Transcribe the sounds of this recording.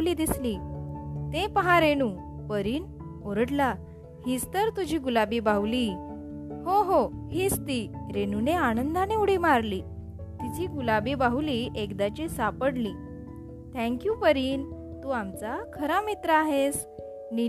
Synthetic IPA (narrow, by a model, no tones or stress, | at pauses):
liːd̪islit̪ẽpəɦaɾenu | pəɾiːn | oɾəʈla | hist̪əɾt̪ud͡ʑʱiːɡulabibawli | hoɦoɦiːst̪iɾenuneanənd̪aneuɽimaɾli | t̪it͡ɕiːɡulabibauliʔekd̪at͡ɕisapəɽliː | t̪ʰɛ̃ŋkjupəɾiːn | t̪uamt͡sakʰəɾamit̪ɾəaɦes | ni